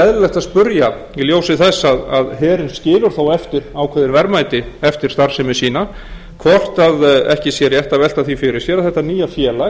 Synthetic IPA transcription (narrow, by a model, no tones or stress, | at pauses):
ɛðllɛxt̪aspʏɾja | iljoːwsɪθɛsːaða̰ðɦɛːɾɪnscɪːlʏɾ̥θawɛft̪ɪɾaːwkʰvɛðɪɾvɛɾmaːjt̪ɪɛft̪ɪɾ̥t̪aɾ̥sɛmɪ̥siːna | kʰvɔr̥t̪aðɛhcɪsjɛɾjɛht̪avɛlt̪aθifɪɾɪɾ̥sjɛːɾaðθɛht̪ːaniːjafjɛːla